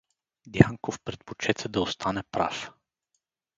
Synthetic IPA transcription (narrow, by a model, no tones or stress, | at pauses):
d̪jaŋkofpɾɛt̪̚pot͡ʃɛt̪ɛd̪ɐost̪ʰanɛpɾa̰f